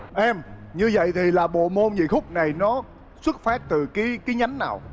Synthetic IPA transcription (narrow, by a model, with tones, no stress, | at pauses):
ʔɛ˧mɲɨ˧və̰˧˨jt̪ʰi˨˩laː˨˩ɓo̰˧˨mo˧nzḭ˧˨xʊ˦˥k͡p̚na˨˩jnɔ˨˦ | swɨ˦˥t̚faː˦˥t̚t̪ɨ˨˩kiː˨˦kaː˨˦jɲa˨˦ŋnaː˨˩w